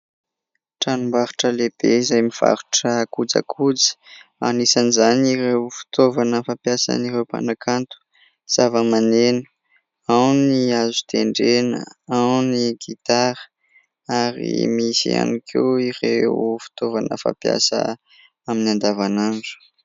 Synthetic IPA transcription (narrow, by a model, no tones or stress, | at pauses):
ʈ͡ʂanumbaɾu̥ʈ͡ʂəleb̥eizajmiv̥a̰ɾuʈ͡ʂəːkud͡za̰kʰud͡zə̥a̰nisanizaniɾewfi̥t̪ovanəfapjasə̰niɾewpa̰nakʰant̪u̥ | z̥avəmanenu̥ | awniazu̥t̪ʰeɳɖ͡ʐenə̰awniɡit̪aɾə̥ | aɾḭmisḭa̰nikʰḛwirefi̥t̪ovanə̰fa̰pja̰sə̰ | aminiand̪avanand͡zu̥